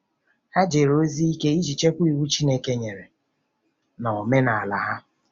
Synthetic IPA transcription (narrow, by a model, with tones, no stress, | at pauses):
ha˦d͡ʒe˨ɾo˦zi˦i˦ke˦i˦d͡ʒi˨t͡ʃe˦kʷu˦i˨wu˦t͡ʃi˦ne˦ke˦ɲe˨ɾe˨ | nɔ˨me˦na˨a˨la˨ɦa˦